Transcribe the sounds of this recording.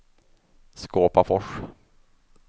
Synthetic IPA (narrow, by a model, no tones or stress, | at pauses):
skoːpafɔʂ